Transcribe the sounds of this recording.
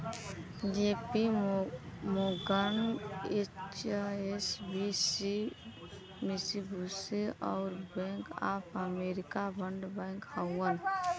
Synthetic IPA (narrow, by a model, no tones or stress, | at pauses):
d͡ʒepi | moɡənet͡ʃesbisi | misibʱusiɔ̰ʊɾbẽŋka̰pʰəmeɾikabəɳɖbɛ̃ŋkhəwən